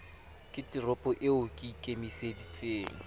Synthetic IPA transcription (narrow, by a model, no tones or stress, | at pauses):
kʼɪtirɔpʼɔʔɪʊkʼɪkʼemisedit͡sʼeːŋ̩